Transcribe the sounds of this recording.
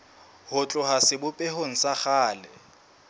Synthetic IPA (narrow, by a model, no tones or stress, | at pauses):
hʊt͡ɬʼʊɦasɪbʊpʼɛɦoŋ̩saχaːlɛ